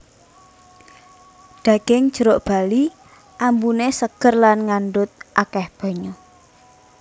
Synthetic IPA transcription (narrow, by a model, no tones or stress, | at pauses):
d̥ä̤ɡ̥ɪŋ̥ʒ̥əɾoʔb̥a̤li | ʔambunesəɡ̥ərlanŋanɖʊt̪̚ʔakɛhb̥a̤ɲo